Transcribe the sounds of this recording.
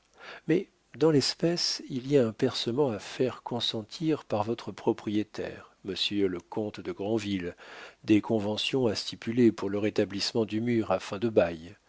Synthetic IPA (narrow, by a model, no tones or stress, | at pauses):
mɛ | d̪ɑ̃lɛspɛsiliaɛ̃pɛʁsəmɑ̃afɛʁkɔ̃sɑ̃t̪ʰiʁpaʁvɔt̪χəpχɔpχijet̪ɛ̰ʁməsjøləkɔ̃t̪d̪əɡʁɑ̃vild̪ekʰɔ̃vɑ̃sjɔ̃ast̪ipylepuʁləʁet̪ablismɑ̃d̪ymyʁafɛ̃d̪əbaj